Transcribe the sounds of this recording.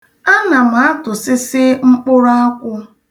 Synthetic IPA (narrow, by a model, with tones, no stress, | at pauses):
a˦na˨m̩˨˦a˦tʊ˨sɪ˦sɪ˦ŋ͡m̩˦k͡pʊ˦ɾa˦a˦kʷʊ˦